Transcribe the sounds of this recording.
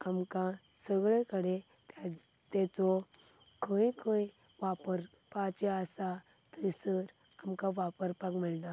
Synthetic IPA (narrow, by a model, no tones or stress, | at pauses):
amka | səɡɭekəɽe | t̪ | t̪ɛt͡sɔ | kʰə̃jkʰə̃ | ʋapəɾ | pat͡ɕeasa | t̪əjsəɾ | amkaʋapəɾpakmilna